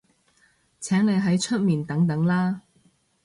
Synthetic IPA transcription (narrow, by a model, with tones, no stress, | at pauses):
t͡sʰɛː˨˥ŋle˨˧jɦɐ˨˥jt͡ʃʰɵ˥t̚miː˨nt̪ɐ˨˥ŋt̪ɐ˨˥ŋlaː˥